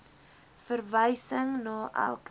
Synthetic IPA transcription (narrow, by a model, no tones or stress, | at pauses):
fərvəjsəŋnɑːʔæ̰lˠk